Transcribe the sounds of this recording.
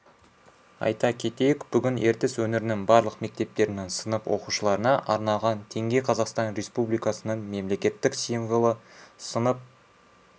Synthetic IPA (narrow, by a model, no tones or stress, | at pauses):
ɑ̰jt̪ɑkʲʰe̞t̪e̞jɪkb̥ʏɡʲɪne̞ɾt̪ɪswɵnɪɾɪnɪŋbɑɾlˠəqme̞k̚t̪e̞p̚t̪e̞ɾɪnensənəpwo̞quʃəlˠɑɾənɑʔɑɾnɑʁɑnt̪ʰe̞ŋɡʲe̞qʰɑzɑqst̪ɑnɾʲe̞spublijkɑsənəɴme̞mle̞kʲe̞t̪ːɪksijɴʁəlˠəsənəp̚